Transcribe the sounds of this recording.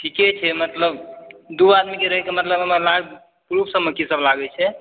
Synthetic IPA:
ʈʰiket͡ʃʰɛmət̪ləbd̪uad̪mikeɾəɦɛkemət̪ləbɦəməɾla | kɾupsə̃məkisəblaɡɛt͡ʃʰɛ

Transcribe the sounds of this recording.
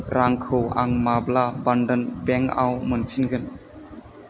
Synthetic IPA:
ɾʔaŋkʰɯwa̰ŋmablabanɖənbɛŋa̰wmənfʰinɡɯn

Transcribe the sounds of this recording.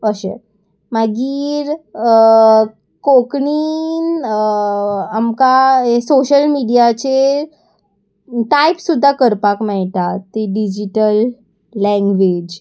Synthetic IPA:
əɕḛ | maɡiːɾ | kokɳiːn | amkaesoɕəlmiɽijat͡ɕe | ʈajpsud̪ʱːakəɾpakmɛɭʈ̪at̪ːeɖid͡ʑiʈəlː | ɛ̃ŋɡʋed͡ʑ

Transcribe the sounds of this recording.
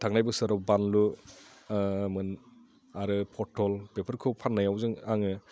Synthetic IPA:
tʰaŋnajbɯsɯɾɔwbanlu | mɯn | aɾɯpʰɔtʰɔlpepʰɯɾkʰɯwpʰanːajawzɯŋaŋɯ

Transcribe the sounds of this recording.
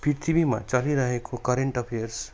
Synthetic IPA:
piɾt̪ʰibimã̰t͡ʃaliɾəɦekʰokəɾeɳʈəpʰejəɾs

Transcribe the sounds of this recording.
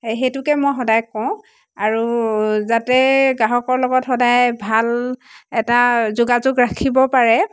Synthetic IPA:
xetʊkɛmɔjxɔdajkɔʊ̃ | aɹuzatɛɡaɦɔkɔɹlɔɡɔtxɔdajbʱalɛtazʊɡazʊɡɹakʰibɔpaɹɛ

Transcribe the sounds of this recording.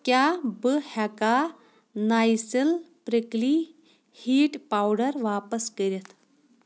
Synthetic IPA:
kjabəhaka | najsəlpɾəkli | hiːʈpawɽəɾʋapəskəɾet̪

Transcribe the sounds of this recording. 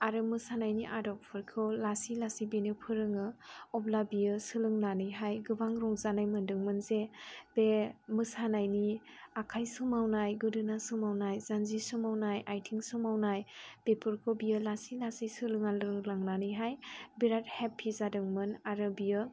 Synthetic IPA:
aɾɯmɯsanajniʔadɔp̚pʰɯɾkʰɯwlasilasibenɯpʰɯɾɯŋɯɔplabijɯsɯlɯŋnanɯjɦajɡɯbaŋɾɔŋzanajmɯndɯŋmɯnzebemɯsanajniakʰajsumawnajɡɯdɯnasumawnajz̥anzisumawnajʔajtʰiŋsumawnajb̥epʰɯɾkʰobijɯlasilasisɯlɯŋalɯɯŋlaŋnanɯjɦajbiɾat̚hepʰːizadɯŋmɯnaɾɯbijɯ

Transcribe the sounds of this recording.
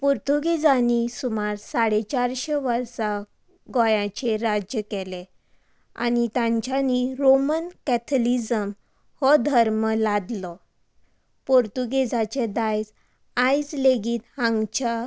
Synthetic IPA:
poɾt̪uɡed͡zãnisumaɾsaɽet͡ɕaɾɕeʋəɾsa | ɡɔ̃jãt͡ɕeɾad͡ʑjəkɛle | a̰nit̪ãɲt͡ɕjaniɾomənkɛt̪ʰlid͡zəm | hɔd̪ʱəɾməlad̪lɔ | poɾt̪uɡed͡zat͡ɕed̪ajd͡z | ajd͡zleɡiːt̪hãŋɡt͡ɕa

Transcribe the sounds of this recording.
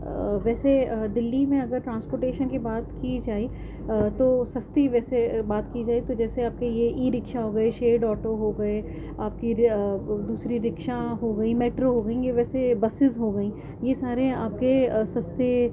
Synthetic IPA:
ʋɛːsed̪ɪlːimẽɐɡəɾʈɾãːnspoːɾʈeːʃənkibaːt̪kid͡ʒaːi | t̪osɐst̪iʋɛːsebaːt̪kid͡ʒaːit̪od͡ʒɛːseaːp̚kejeʔiːɾɪkʃaɦoːɡɐeʃeːɖɔːʈoɦoɡɐe | aːp̚ki | d̪uːsɾiɾɪkʃaɦoɡɐimɛːʈɾoɦoːɡɐĩɡeʋɛːsebɐsɪzɦoɡɐĩ | jesaːɾẽa̰ːp̚kesɐst̪e

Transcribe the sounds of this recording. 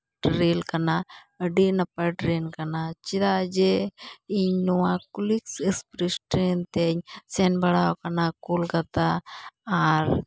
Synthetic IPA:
ʈɾeːlkɐna | əɖinɐpɐɖɾeːnkɐnat͡ʃiɾad͡ʒeiɲnuãkuliksespɾisʈɾeːnt̪eɲsenbɐɽakɐnakulɡɐt̪aaɾ

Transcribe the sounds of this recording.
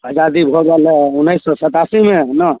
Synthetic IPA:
əd͡ʒad̪ibʱɔɡɛlɛunːəjsːɔsət̪asimenə

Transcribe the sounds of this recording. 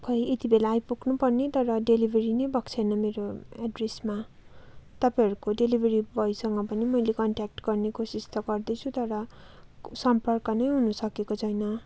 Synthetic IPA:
kʰʌjet̪ibelaːjpuknupʌrnet̪ʌɾʌɖelibʱeɾinʌjbʌkt͡sʰʌjnʌmeɾoaɖresma | t̪ʌpajɦʌɾukoɖelibʱeɾibʌjsʌŋɡʌpʌnimʌjlekʌɳʈak̚ʈɡʌrnekosist̪ʌɡʌrd̪ʌt͡sʰut̪ʌɾʌ | sʌmpʌrkʌnʌjɦunusʌkekot͡sʰʌjnʌ

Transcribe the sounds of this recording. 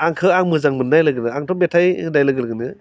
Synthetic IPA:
aŋkʰɯaŋmɯzaŋmɯnːajlɯɡɯnɯaŋtʰɔbetʰajnajlɯɡɯlɡɯnɯ

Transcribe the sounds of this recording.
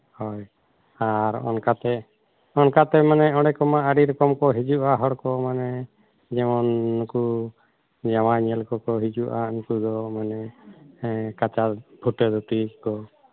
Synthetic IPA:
hɔj | aɾɔ̰nkat̪ɛ | ɔnkat̪ɛmanɛɔɽɛkɔmaaɾiɾɔkɔmkɔɦid͡ʒuʔaɦɔɽkɔmanɛ | d͡ʒɛmɔnːku | d͡ʒawaɲɛlkɔkɔɦid͡ʒuʔainkud̪ɔmanɛ | kat͡ʃabʱuʈɛd̪ɔʈikɔ

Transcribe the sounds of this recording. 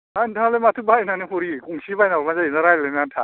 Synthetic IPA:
antʰalematʰubajnaniɦoɾikuŋsibajnaɾmazainaɾajlenantʰa

